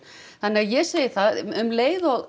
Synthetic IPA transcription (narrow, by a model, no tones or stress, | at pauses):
θanːɪajɛɣseːjɪθaðʏmleːjðɔɣ